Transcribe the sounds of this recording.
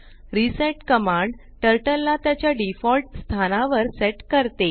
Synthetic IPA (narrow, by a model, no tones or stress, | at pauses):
ɾiseʈkəmaɳɖ | ʈəɾʈəlːat̪jat͡ɕjaɖifɔlʈst̪ʰanaʋəɾseʈkəɾt̪e